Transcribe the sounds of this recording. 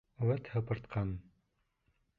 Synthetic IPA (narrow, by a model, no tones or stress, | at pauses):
wæt̪hɤ̆pɤ̆ɾt̪qʰɑn